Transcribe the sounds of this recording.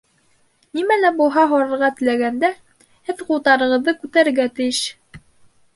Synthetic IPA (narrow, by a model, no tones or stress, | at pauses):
nimælæbulˠɦɑɦɑɾɤ̆ɾʁɑt̪ɘ̆læɡænd̪æ | hɘðqulˠt̪ɑɾɤ̆ʁɤ̆ðːɤkʉt̪æɾɘ̆ɾɡæt̪ɘ̆jɘʃ